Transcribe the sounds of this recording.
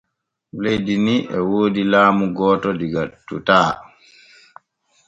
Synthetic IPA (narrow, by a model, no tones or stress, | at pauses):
lejdiniʔɛwoːdilaːmuɡɔːtɔdiɡatːṵtaː